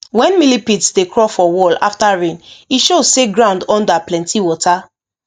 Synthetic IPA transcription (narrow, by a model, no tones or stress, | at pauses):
wɛ̃nmilipitsdekɹɔfɔwɔla̰ftaɹẽniʃodseɡɹãʊ̃ndɔ̃ndaplɛ̃ntʰiwɔta